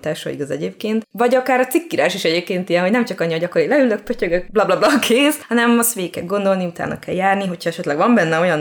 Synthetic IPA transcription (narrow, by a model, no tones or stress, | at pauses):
t̪aːʃɒ̰ḭɡɒzɛ̰ɟeːp̚keːnt̪vɒɟɒkaːɾɒt̪sikːiɾaːʃiʃɛɟeːpkeːnt̪ijɛnɦoɟnɛmt͡ʃɒkɒɲːiɒɟɒkoɾilɛylːøk̚pøcøɡøk̚blɒblɒblɒkʰeːsɒnɛmɒst̪ʋeːkɛ̰d̪̚ɡo̞nd̪olniut̪a̰ːnʔɒ̰kɛ̰ljaːrniɦo̞cʰhɒɛʃɛt̪lɛɡʋɒmbɛnːɛo̞jɒn